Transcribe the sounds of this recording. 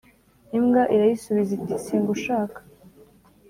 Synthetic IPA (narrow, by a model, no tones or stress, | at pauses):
imɡaʔiɾajisuβizitisiːŋɡuʃaːkḁ